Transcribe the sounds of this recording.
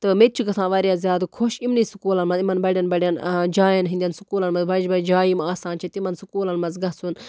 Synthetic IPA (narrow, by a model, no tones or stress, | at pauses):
t̪ɨmet̪̚ʲt͡ʃʰuɡɐt̪sʰãːʋɐɾʲjaːzʲjaːd̪kʰoʃimnisukuːlɐnmɐzimɐnbɐɽʲjɐnbɐɽjɐnd͡ʒaːjɐnɦĩnd̪ʲjɐnsukuːlɐnmɐzbɐd͡ʒbɐd͡ʒaːjimaːsaːnt͡ʃʰɐt̪imɐnsukuːlɐnmɐzɡɐsʰun